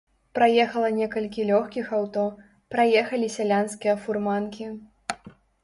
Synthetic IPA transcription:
pɾajɛxɐlˠɐnʲɛkɐlʲkʲilʲɔxkʲixawt̪ɔ | pɾajɛxɐlʲisʲalʲanskʲijɐfurmankʲi

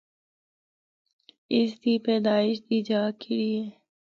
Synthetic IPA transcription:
ɪsd̪iːpeːd̪aːɪʃd̪iːd͡ʒaːkɪlie

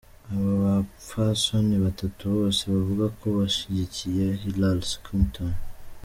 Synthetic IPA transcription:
aβaβafasɔniβat̪at̪uβaseβavuɡakʰoβaʃiɟicijehilalsi̥kʰumt̪ʰan

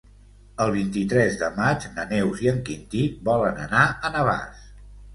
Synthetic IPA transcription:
əlˠβ̞int̪it̪ɾɛzðəmad͡ʒnənɛwziəŋkint̪iβɔlənə̰naənəβa̰s

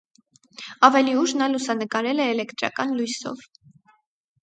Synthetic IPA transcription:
ɑvɛliuʒnɑlusɑnəkɑɾɛlɛːlɛkt̪ɾɑ̰kɑnlujsɔ̰v

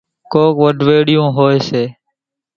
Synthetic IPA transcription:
koːkʋəɖʱʋeːɽɪjõːɦoːeːseː

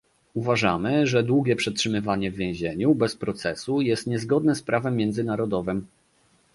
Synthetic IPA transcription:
uvaʐamɘʐɛd̪wuɡʲjɛpʂɛtʂɘmɘvaɲɛvːʲjɛ̃ʑeɲubɛspɾɔt̪sɛsujɛst̪ɲɛzɡɔd̪nɛspɾavɛmːjɛnd̪zɘnaɾɔd̪ɔvɘm

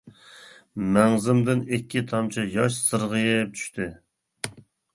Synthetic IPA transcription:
mɛŋzɪmd̪ɪnɪkʲːit̪ʰɑmt͡ʃʰijɑʃsɨɾʁɨjɪp̚t͡ʃʰy̥ʃt̪ʰɪ

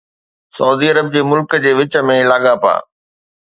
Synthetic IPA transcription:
sɐuːd̪iɐɾəb̚d͡ʑeːmʊlkəd͡ʑeːʋɪt͡ɕəmẽlaːɠapa̰ː

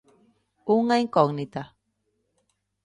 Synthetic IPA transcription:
uŋaiŋkoŋnit̪a

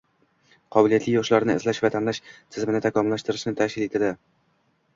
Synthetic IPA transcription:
qʰɒbɪlijat̪lɪjɒʃlaɾnɪɪ̰zlaʃvat̪ʰamlaʃt̪ʰɪzmɪnɪt̪ʰakʰɒmlːaʃt̪ɪɾɪʃnɪt̪ʰakʲɪlet̪ʰad̪ɪ

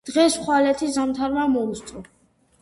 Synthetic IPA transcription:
d̪̥ʁɛsχwalɛt̪ʰizamt̪ʰaɾmamɔust̪sʼɾɔ

